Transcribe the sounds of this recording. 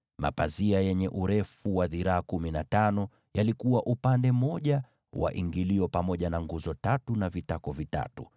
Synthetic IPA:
ma̰paziajɛɲɛʔuɾɛfuwaðiɾaːkuminatanɔ | jalikuwaʔupandɛmɔʄa | wa̰ʔiŋɡiliɔpamɔʄanaŋɡuzɔtatunavitakɔvita̰tu

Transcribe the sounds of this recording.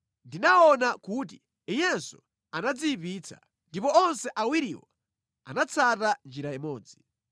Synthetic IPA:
ndinaɔnakut̬i | ijɛnsu̥ | anad͡zipiːt͡sʰḁ̰ | ndipɔɔnsɛʔawiɾiːwa | a̰nat͡sʰatand͡ʒiɾaimɔːd͡zi

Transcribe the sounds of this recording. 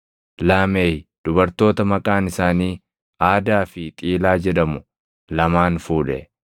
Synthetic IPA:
laːmeːjd̪̥ʊbɐɾt̪o̞ːt̪ɐmɐkʼaːnɪsaːniː | ʔaːd̪aːfɪt̪ʼiːlaːd͡ʒɛᶑɐmʊ | lɐmaːnfuːᶑɛ̰

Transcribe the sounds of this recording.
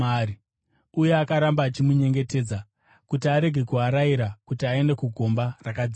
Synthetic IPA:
ai | uje̞akaɾambaːt͡ʃimuɲe̞ŋɡe̞te̞ːd͡za | kutiaɾe̞ɡʱe̞kuɦaɾaiɾakutiae̞ndekuɡʱo̞mbarakad͡z

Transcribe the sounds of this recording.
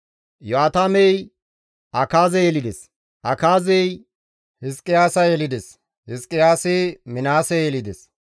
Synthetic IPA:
joaːt̪aːmɛj | ʔɐkaːzɛjɛlɪd̪ɛs | ʔɐkaːzɛj | hɪskʼːɪjaːsɐjɛlɪd̪ɛs | hɪskʼːɪjaːsɪmɪnaːsɛjɛlɪd̪ɛs

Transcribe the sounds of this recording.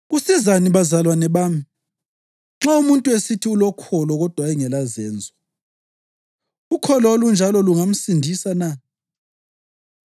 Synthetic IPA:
ɣusizaniβazalwanɛβaːmi | ŋ͡ǁaumuntʼuesitʰiulɔkʰɔlɔɣɔd̥ʱwaɛŋɛlazɛːnd͡zʱwɔ | ukʰɔlɔlund͡ʒʱalɔluŋam̩sindʱisana

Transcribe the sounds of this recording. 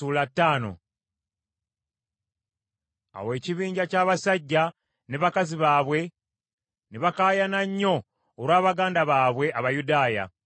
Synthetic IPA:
uːlatːaːno̞̰ | a̰we̞ːciβiːɲɟacaːβasaɟːa | neβakaziβaːβwe̞ | neβakaːjanaɲːo̞ː | ɾwaːβaɡaːndaβaːβwe̞ʔaβajudaːja̰

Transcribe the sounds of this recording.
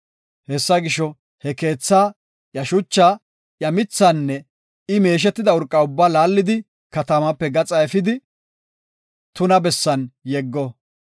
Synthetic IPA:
hɛsːɐɡɪʃɔ | hɛke̞ːt͡sːaː | jɐʃʊt͡ʃːaː | jɐmɪt͡sːɐnːɛ | ɪme̞ːʃ̬ɛt̪ːɪd̪ɐʊɾkʼːɐʊbːaːlaːlːɪd̪ɪ | kɐt̪ɐmɐpːɛɡɐt͡sʼɐɛfɪd̪ɪ | t̪ʊnɐbɛsːɐnjɛɡːɔ

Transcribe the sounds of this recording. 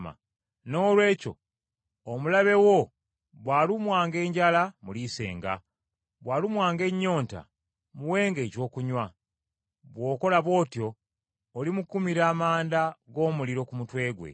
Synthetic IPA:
ma̰ | no̞ːlwe̞ːco̞̰ː | mulaβe̞wo̞ | βwaːlumwaːŋɡe̞ːɲɟalamulise̞̰ːŋɡa̰ | βwaːlumwaːŋɡe̞ɲːo̞ːnta̰ | muwe̞ːŋɡe̞ːcwo̞ːkuɲwa | βwo̞ːko̞laβwo̞ːtjo̞ː | limukumiɾaːmaːndaɡo̞ːmuliɾo̞kumutwe̞ːɡwe̞̰

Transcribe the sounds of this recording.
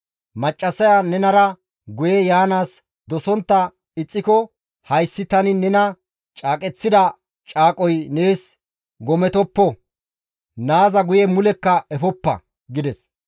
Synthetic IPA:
mɐt͡ʃʼːɐsɐjanɛnɐɾɐ | ɡʊjɛjaːnaːs | d̪ɔsɔnt̪ːɐ | ɪt͡sʼːɪkɔ | hɐjsːɪt̪ɐnɪnɛnɐ | t͡ʃʼaːkʼɛt͡sːɪd̪ɐ | t͡ʃʼaːkʼɔjne̞ːs | ɡɔmɛt̪ɔpːɔ | naːzɐɡʊjɛmʊlɛkːɐɛfɔpːɐ̰ | ɡɪd̪ɛs

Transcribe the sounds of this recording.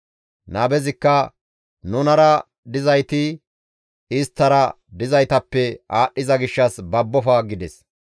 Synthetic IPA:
nɐːbɛzɪkːɐ | nʊnɐɾɐ | d̪ɪzɐjt̪ɪ | ɪst̪ːɐɾɐ | d̪ɪzɐjt̪ɐpːɛaːɗːɪzɐɡɪʃːɐsbɐbːɔfɐɡɪd̪ɛs

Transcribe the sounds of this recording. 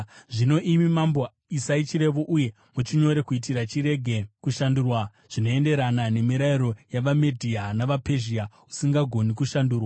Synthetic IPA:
ʐino̞ʔimimambo | isait͡ʃiɾe̞ʋoʔuje̞ | mut͡ʃiɲo̞ɾe̞kuit̬iɾat͡ʃiɾe̞ɡʱe̞kuʃandurwa | ʐ̥ino̞e̞nde̞ɾanane̞miɾaiɾo̞jaʋamedʱianaʋape̞ʒia | usiŋɡaɡʱo̞nikuʃanduːrwa

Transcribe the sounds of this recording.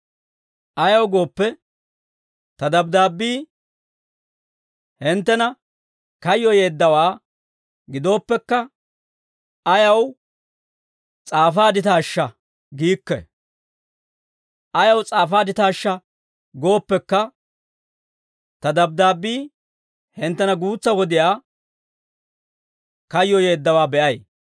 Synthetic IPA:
ʔɐjɐwɡo̞ːpːɛ | t̪ɐd̪ɐbd̪aːbːiː | hɪnt̪ːɛnɐ | kɐjːɔje̞ːd̪ːɐwaː | ɡɪd̪o̞ːpːɛkːɐ | ɐjɐw | t͡sʼaːfaːd̪ɪt̪aːʃːɐ | ɡiːkːɛ̰ | ʔɐjɐwt͡sʼaːfaːd̪ɪt̪aːʃːɐ | ɡo̞ːpːɛkːɐ | t̪ɐd̪ɐb̚d̪aːbːiː | hɪnt̪ːɛnɐɡuːt͡sːɐwɔd̪ɪjaː | kɐjːɔje̞ːd̪ːɐwaːbɛʔɐj

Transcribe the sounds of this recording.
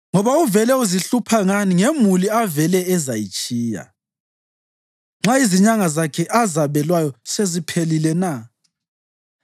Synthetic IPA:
ŋɔβauvɛlɛuziɬupʰaŋaniŋemuliavɛlɛɛzajit͡ʃʼiːja̰ | ŋ͡ǁaiziɲaŋazakʰɛʔazaβɛlwajɔsezipʰelilɛna

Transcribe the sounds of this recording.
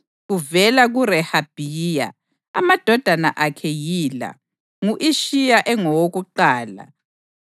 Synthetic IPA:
ɣuvɛlaɣuɾɛhab̥ʱija̰ | a̰mad̥ʱɔd̥ʱanaʔakʰɛjiːla̰ | ŋuʔiʃijaʔɛŋɔwoɣuǃaːla̰

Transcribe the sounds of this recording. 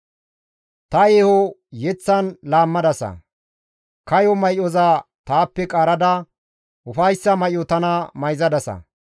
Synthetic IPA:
t̪ɐehɔjɛt͡sːɐnlaːmːɐd̪ɐsɐ̰ | kɐjɔmɐjɔzat̪aːpːɛkʼaːɾɐd̪ɐ | ʊfɐjsːɐmɐjɔt̪ɐnɐmɐjzɐd̪ɐsɐ̰

